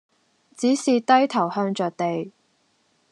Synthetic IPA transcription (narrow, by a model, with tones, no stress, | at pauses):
t͡siː˨˥siː˨t̪ɐ˥jt̪ʰɐ˨˩whœː˧ŋt͡ʃœː˨k̚t̪e˨j